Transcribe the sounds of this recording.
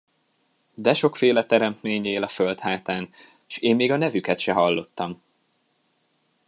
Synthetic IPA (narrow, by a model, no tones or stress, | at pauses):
d̪ɛʃo̞kfeːlɛt̪ɛɾɛmt̪meːɲeːlɒfølt̪haːt̪aːn | ʃeːmːeːɡɒnɛvykɛt̪ʃɛɦɒlːo̞t̪ːɒm